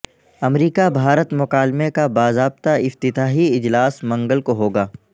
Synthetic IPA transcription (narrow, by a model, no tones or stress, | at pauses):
ɐmɾiːkabʱaːɾət̪mʊqaːlmekabaːzaːb̚t̪aɪft̪ɪt̪aːɦiɪd͡ʒlaːsmɐ̃ŋɡəlkoɦoːɡaː